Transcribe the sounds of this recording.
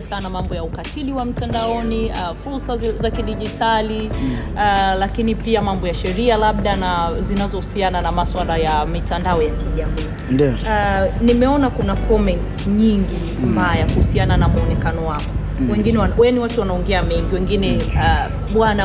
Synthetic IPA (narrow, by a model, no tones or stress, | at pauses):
sanamambɔjaukatiliwam̩tandaɔnifuɾsazakiɗiʄitʰali | lakinipiamambɔjaʃɛɾialaɓ̚ɗanazinazɔhusiananamaswalajamitandaɔjakiʄamiː | nd | nimɛɔnakunakʰɔmɛntɲiŋɡi | mbajakuhusiananamuɔnɛkanɔwakɔ | wɛŋɡinɛawɛniwatuwanaɔŋɡɛamɛŋɡiwɛŋɡinɛ | ɓwana